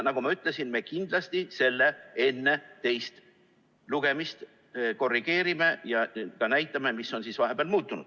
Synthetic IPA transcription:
nɑɡ̥umɑyt̪ˑle̞sinme̞ːkind̪lɑst̪ise̞lːe̞e̞nːe̞t̪e̞jst̪ | luɡ̥e̞mist̪ | ko̞rːiɡ̥e̞ːɾime̞jɑkɑnæjt̪ˑːɑme̞misːo̞nsisvɑɦe̞b̥eɑlmuːt̪ːˑunud̪̥

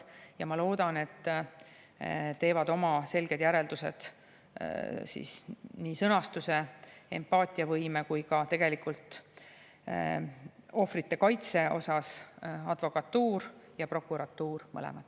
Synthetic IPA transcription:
jɑmɑlo̞ːd̪̥ɑne̞t̪ˑː | t̪e̞ːvɑd̪o̞mɑse̞lɡ̥e̞d̪̥jæɾe̞ld̪̥use̞̰d̪̥ | sḭːsniːsɤnɑst̪use̞ḛmpːɑːt̪ʲːˑiɑvɤjme̞kujkɑt̪e̞ɡ̥e̞likult̪ˑ | o̞frit̪ːe̞kɑjt̪se̞o̞̰sɑsɑd̪̥vo̞kɑt̪ːuːɾjɑpro̞kːˑuɾɑt̪ːuːɾmɤ̰lɛ̰mɑd̪̥ˑ

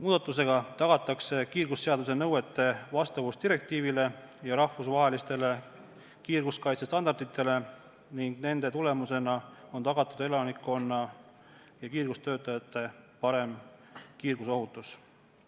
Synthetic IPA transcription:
muːd̪̥ɑt̪ːˑus̬e̞ɡ̥ɑt̪ɑɡ̥ɑt̪ːˑɑkse̞kiːrɡ̥usse̞ɑd̪us̬e̞nɤwe̞t̪ːˑe̞vɑst̪ɑvust̪iɾe̞k̚t̪iːvile̞ | jɑɾɑhfusvɑɦe̞list̪e̞le̞ | kiːrɡuskɑjt̪sest̪ɑnd̪ɑrd̪̥it̪ˑːe̞le̞ | niŋɡ̥ne̞nd̪e̞t̪ule̞muse̞nɑo̞nt̪ɑɡ̥ɑt̪ːˑud̪̥e̞lɑnikːˑo̞nːɑ | jɑkiːrɡ̥ust̪øːt̪ːˑɑjɑt̪ːˑe̞pɑɾe̞mkiːrɡ̥uso̞ɦut̪ːˑus

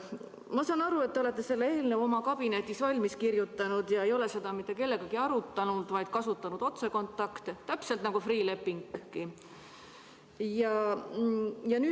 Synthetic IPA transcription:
mɑsɑːnɑɾue̞t̪ːeo̞le̞t̪ːe̞se̞lːee̞ːlnevo̞mɑkɑb̥inet̪ʲːˑisvɑlʲmiskirjut̪ːˑɑnud̪jɑe̞jo̞le̞se̞d̪ɑmit̪ːˑe̞ke̞lːe̞ɡ̥ɑkiɑɾut̪ːˑɑnud̪̥vɑjd̪̥̚kɑsut̪ːˑɑnud̪o̞t̪se̞ko̞nt̪ːˑɑkt̪et̪ːæpse̞lt̪nɑɡ̥ufriːle̞pːiŋkːi | jɑ | jɑnyː

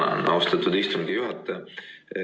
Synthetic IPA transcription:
ɑ̰wst̪ɑt̪ːud̪ist̪uŋɡ̥ijuɦɑt̪ːˑɑ

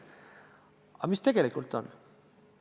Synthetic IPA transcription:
ɑmist̪e̞ɡ̥elikːˑult̪ːon

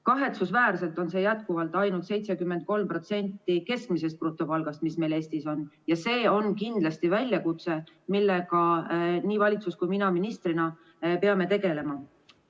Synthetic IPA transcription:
kɑɦe̞t̪susvæːɾse̞lt̪ˑo̞nse̞jæt̪̚kuvɑlt̪ːˑɑjnult̪se̞jt̪se̞kymːend̪̚ko̞lmpro̞t̪se̞nʲt̪ːike̞skmise̞st̪̚prot̪ːˑo̞pɑlɡ̥ɑst̪̚misme̞jle̞ːst̪iso̞njɑse̞ːo̞nkind̪lɑst̪ivælʲjɑkut̪se̞ | milːe̞kɑniːvɑlʲit̪suskujminɑminist̪rinɑ | peɑme̞t̪e̞ɡe̞le̞mɑ

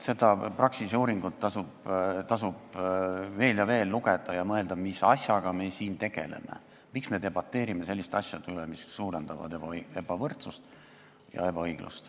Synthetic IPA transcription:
se̞d̪̥ɑprɑksiseuːɾiŋɡ̥ut̪ːɑsub̥t̪ɑsub̥ | ve̞ːljɑve̞ːlːuɡ̥e̞d̪̥ɑjɑmɤeld̪̥ɑmisɑsʲjɑɡ̥ɑme̞siːnt̪e̞ɡ̥e̞̰le̞̰me̞̰ | miksme̞t̪e̞bɑt̪ˑːe̞ːɾimese̞lːist̪eɑsʲjɑd̪ylemisːuːɾend̪̥ɑvɑ̰d̪̥ebɑe̞b̥ɑvɤrt̪sust̪ | jɑ̰e̞bɑɤjɡ̥lṵst̪

